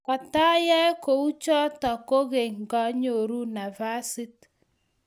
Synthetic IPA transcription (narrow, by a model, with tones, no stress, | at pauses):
kɔ˨ta˦jɛ˦ko˨u˦t͡ʃɔ˦tɔ˨ko˦ɣe˨ŋ˨ɡɔ˦ɲo˨ɾu˦na˨va˦si˦t